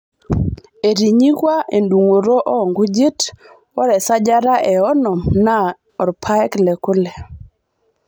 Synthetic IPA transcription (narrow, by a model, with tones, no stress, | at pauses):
e˨ɾi˨ɲi˦kwa˦ʔe˨ndu˨ŋo˨ɾo˦ʔɔ˦ɔ˨ŋɡu˦d͡ʒi˦t | ɔ˦ɾɛ˨sa˦d͡ʒa˦ɾa˦ʔɛ˨ɔ˦nɔ˨mna˦ | ɔ˨ɾpʰa˦ɛ˦klɛ˨kʊ˦lɛ˨